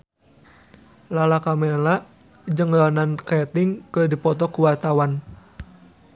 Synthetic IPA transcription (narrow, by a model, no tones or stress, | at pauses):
lalakamɛlaʔ | d͡ʒəŋlanankɛt̪ɪŋkədipɔt̪ɔkuwart̪awan